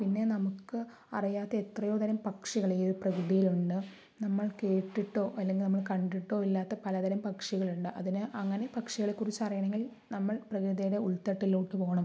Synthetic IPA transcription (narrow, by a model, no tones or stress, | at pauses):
pinːe̞nɐmukːɨ | ɐ̰rijaːt̪ːɐet̪rɐjo̞ːd̪ɐɾɐmpɐkʂiɣɐɭeðɨprɐkrɨðijiluɳɖɨ | nɐmːɐɭke̞ːʈːiʈːo̞ːʔɐlːeŋɡilnɐmːɐɭkɐɳɖiʈːo̞ːilːaːt̪ːɐpɐlɐd̪ɐɾɐmpɐkʂiɣɐɭuɳɖɨʔɐðinɨʔɐŋːɐne̞pɐkʂiɣɐɭekːurit͡ɕːɐrijɐɳe̞ŋɡil | nɐmːɐɭprɐkɾɨðɐjɽe̞uɭt̪ɐʈːiluːʈːɨpo̞ːɣɐɳɐm